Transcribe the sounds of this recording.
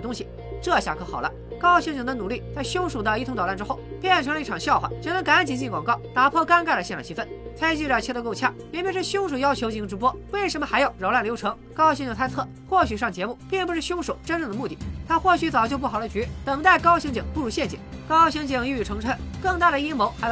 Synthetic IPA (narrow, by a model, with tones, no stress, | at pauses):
t̪ʊ˥ŋɕi˨ | ʈ͡ʂɤ˥˧ɕja̰˧˩kʰɤ˧˥xɑ˨˩ʊlə̰˦ | kɑ˥ʊɕi˥ŋt͡ɕi˨˩ŋd̪ə˧nu˨˩˦li˥˩t͡sa˥˩ɪɕjʊ˥ŋʂo˨˩ʊd̪ə˧i˥˩tʰʊ˧˥ŋɑ˨˩t̪ʈ͡ʂɻ̩˥xo˥˩ʊpjɛ˥˩nʈ͡ʂʰɤ˧˥ŋlə˧i˥˩ʈ͡ʂʰɑ˨˩ŋɕjɑ˥ʊxwa̰˨˩t͡ɕɛ˥nə˧˥ŋka˧˥n˧˩nt͡ɕi˧˩nt͡ɕi˥˩kwɑ˨˩ŋkɑ˥˩ʊt̪a˧˥pʰwɔ˥˧ka˥nka˥˩ə˩ɕjɛ˥˩nʈ͡ʂʰt͡ɕʰi˧˥fə˥˩nt͡sʰa˥ɪ˥˧t͡ɕy˥˧ʈ͡ʂə˨˩t͡ɕʰɛ˥˧o˧ko˥˧ʊt͡ɕʰja̰˥˩mjɛ˧˥npʲɛ˧˥ʂ̩˥˩˧ɕjʊ˥ŋʂ̬o˨˩ʊjɑ˥ʊt͡ɕʰjo˧˥ʊt͡ɕi˧˥ŋʈ͡ʂɻ̩˧˥pwɔ˥we˥˩ɪʂ̬ə˧˥mə˧xa˧˥ɪjɑ˨˩ʊɻɑ˧˥la˥˩nljʊɤ˧˥ŋkɑ˥ɕt͡ɕi˧˩ŋt͡sʰa˥ɪt͡sʰɤ˥˩ | xwɔ˥˩ɕy˨˩ʂɑ˥˩ŋt͡ɕjɛ˧˥mu˥˩pi˥˩npu˧˥ʂɻ̩˥˩ɕjʊ˥ŋʂo˨˩ʊʈ͡ʂə˥nʈ͡ʂɤ˥˩ŋd̪ə˩mu˥˩t̪ḭ˥˩t̪ʰa˥xwɔ˥˩ɕy˧˥t͡sɑ˨˩ʊt͡ɕjo˥˧ʊp̬u˥˩xɑ˨˩ʊldə˧t͡ɕy˧˥t̪ə˨˩ŋt̪a˥˩ɪkɑ˥ʊɕi˧˥ŋt͡ɕi˨˩ŋpu˥˩ɻu˧˥ɕjɛ˥˩nt͡ɕi˨˩˦ŋkɑ˥ʊɕi˧˥ŋt͡ɕi˧˩ŋi˥˧y˨˩ʈ͡ʂʰɤ˧˥ŋʈ͡ʂʰə˥nkɤ˥˧ŋt̪a˥˩ɾə˩ji˥mo˧˥ʊxa˧˥j